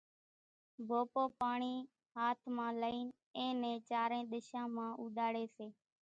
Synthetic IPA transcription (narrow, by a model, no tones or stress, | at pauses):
bʱoːpoːpaːɳiː | ɦaːt̪ʰmãːləiːn | ẽːnɛ̃ːt͡ʃaːɾẽːɗ̪ɪʃãːmãːʔuːd̪aːɽeːseː